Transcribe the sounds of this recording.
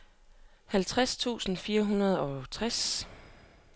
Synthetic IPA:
hælt͡sʰʁast͡sʰṵːsn̩fiːɐɦunɐð̞ˠɒ̽t͡sʰʁas

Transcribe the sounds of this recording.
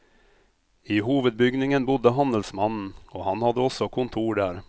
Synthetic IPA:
iːɦuːʋəd̪̚bʏɡnɪŋənbʊd̪əɦɑnəlsmɑnn̩oːhɑnhɑd̪əɔsɔkʰʊnt̪ʰuːɖæːɾ

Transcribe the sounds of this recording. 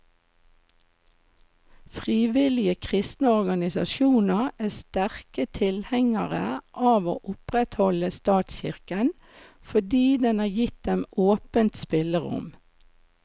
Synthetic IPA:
fʁiːʋɪlɪəkʰʁɪst̪nəɔʁɡɑnɪsɑ̰ʃuːnəʁæːst̪æʁkət̪ʰɪlhɛŋəʁə̰ʔɑːʋo̰ːʔʊpʁɛt̪hɔləst̪ɑːt̪sçɪ̰ʁkən | fɔd̪iːd̪ɛnɑːjɪt̪̚d̪ɛmoːpənt̪spɪləʁʊ̰m

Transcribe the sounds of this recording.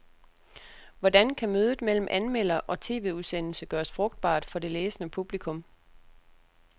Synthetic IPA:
ʋɒdænkʰæmøːð̞ˠð̩ˠmel̰m̩ʔænmel̰ɐʔɒ̽t͡sʰe̝ːʋe̝uðˠsen̰l̩səɡ̥ɶːɐsfʁɔ̽ɡ̥d̥̚b̥ɑ̰̈ːd̥fɒ̽de̝leːsənəpʰub̥likʰɔ̽m

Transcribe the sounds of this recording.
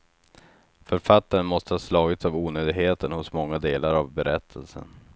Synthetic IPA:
fœɾfat̪ːaɾənmɔst̪əhɑːslɑːɡɪt̪savuːnøːd̪ɪɡɦeːt̪ənhʊsmɔŋːad̪eːlʔaɾavbɛɾʔɛt̪ʰːəlsə̰n

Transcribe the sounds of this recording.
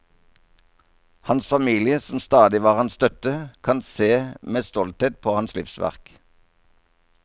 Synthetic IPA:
hɑnsfɑmiːlɪəsɔm̩st̪ɑːd̪ɪʋɑːʁhɑnst̪œt̪əkʰɑnseːmeːst̪ɔlt̪heːt̪̚pʰoːhɑnslɪfsʋæ̰ʁk

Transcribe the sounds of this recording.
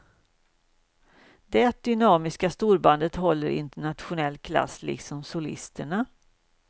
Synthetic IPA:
d̪ɛt̪̚d̪ʏnɑːmɪskast̪uːɾband̪ət̪ɦɔlːəɾɪ̰nt̪əɳat̪ɧʊnɛlːkʰla̰sːlɪ̰ksɔmsʊlɪ̰st̪əɳa

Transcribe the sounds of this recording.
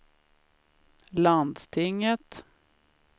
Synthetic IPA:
land̪st̪ʰɪŋːət̪

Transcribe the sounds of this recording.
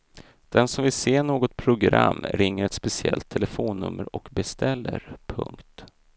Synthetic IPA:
d̪̥ɛnsɔmvɪlseːɳoːɡɔt̪̚pʰɾʊɡɾa̰mːɾɪŋːəɾɛt̪spɛsɪɛ̰lt̪ʰːɛlɛfoːnːɵ̰mːəɾɔkbɛst̪ʰɛlːə̰ɾpʰɵ̰ŋkt̪

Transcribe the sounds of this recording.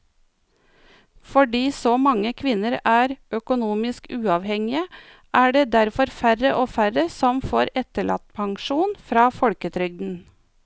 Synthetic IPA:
fɔɖiːsoːmɑŋəkʰʋɪnəɾæːɾʔœkʊnuːmɪskʉːɑːʋhɛŋɪə | ʔæːɖeːd̪æɾfɔɾfærəʔoːfæɾəsɔmfoːɾɛt̪əɭʔɑ̰t̪̚pʰɑŋʃuːnfɾɑːfɔɽkət̪ʰɾʏɡ̚d̪n̩

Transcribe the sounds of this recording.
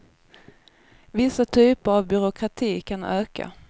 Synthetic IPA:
vɪsːat̪ʰyːpəɾavbʏɾʊkʰɾat̪ʰiːkʰanøːka̰

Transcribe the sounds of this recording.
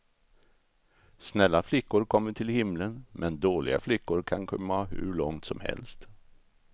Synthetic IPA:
snɛlːaflɪkːʊɾkʰɔmːəʈʰɪlhɪmlənmʔɛnd̪oːɭɪ̰ɡa̰flɪkːʊɾkʰankʰɔmːahɵ̰ɭɔŋt̪sɔmhɛ̰lst̪

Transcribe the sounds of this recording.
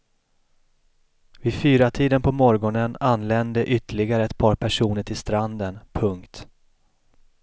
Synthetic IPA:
vɪfyːɾat̪ʰiːd̪ənpʰɔmɔɾɡɔnənanːlɛnd̪əʔʏt̪əɭɪɡaɾəɛt̪̚pʰɑːɾpʰæʂuːnəʈʰɪlst̪ɾand̪ənpʰɵŋkt̪

